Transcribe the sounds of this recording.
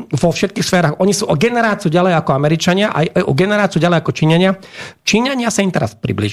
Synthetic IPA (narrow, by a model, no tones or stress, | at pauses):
vɔfʃɛt̪̚kiːxsfɛːɾaːxɔɲisuːʔɔɡɛnɛɾaːt͡sɪuɟalɛjakɔamɛɾit͡ʃaɲɪaʔa̰jajʔɔɡɛnɛɾaːt͡siuɟalɛjakɔt͡ʃiɲaɲɪat͡ʃiɲaɲɪasaimt̪ɛɾa̰spɾḭblḭʒ